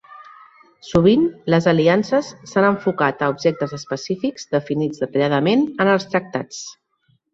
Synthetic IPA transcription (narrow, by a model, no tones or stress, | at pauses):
suβ̞inləzəliansəsːanəɱfukat̪əubʒɛk̚t̪əzəspəsifikz̥ðəfinid͡zðət̪əʎaðəmenənəlˠst̪ɾək̚t̪a̰t͡s